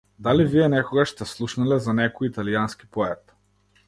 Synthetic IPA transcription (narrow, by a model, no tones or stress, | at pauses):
d̪alivijɛnɛkɔɡaʃst̪ɛslˠuʃnalɛzanɛkɔjit̪alijanski̥pɔɛt̪